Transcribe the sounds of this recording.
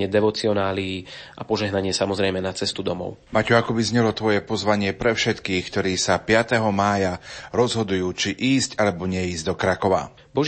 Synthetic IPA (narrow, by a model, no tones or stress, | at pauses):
ɪɛd̪ɛʋɔt͡siɔnaːliʔa̰pɔʒɛɦnaɲɪɛsamɔzɾɛjmɛnat͡sɛst̪ud̪ɔmɔ̰ʊmacuakɔbizɲɛlɔt̪ʋɔjɛpɔzʋaɲɪɛpɾɛfʃɛt̪kiːxkt̪ɔɾiːsapɪat̪ɛɦɔmaːjaɾɔzɦɔd̪ujuːt͡ʃiʔiːscalɛbɔɲɛiːzd̪ɔkɾakɔʋa̰ | bɔʒ